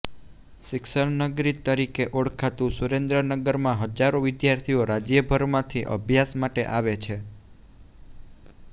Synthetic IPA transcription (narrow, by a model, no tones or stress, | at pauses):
ʃɪkʃəɭnəɡɾit̪ːəɾikeʔoɽkʰat̪ũsuɾend̪ɾənəɡəɾmãɦəd͡ʒaɾoʋɪd̪jaɾt̪ʰioɾad͡ʒjəbʱəɾmãt̪ʰiʔə̰bʱjasmaʈḛʔaʋet͡ʃʰe